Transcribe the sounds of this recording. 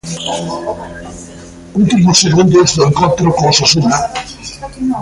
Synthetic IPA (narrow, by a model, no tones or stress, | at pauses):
uŋt̪imʊsːeɣund̪ozðʊeŋkont̪ɾʊkõŋsasuna